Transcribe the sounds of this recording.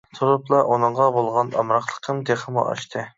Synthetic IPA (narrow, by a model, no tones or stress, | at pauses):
t̪ʰuɾuplˠɑʔunɨɴʁɑbolˠʁɑnɑ̰mɾɑχlˠəqʰəmd̪eχəmṵʔɑ̰ʃt̪ʰɨ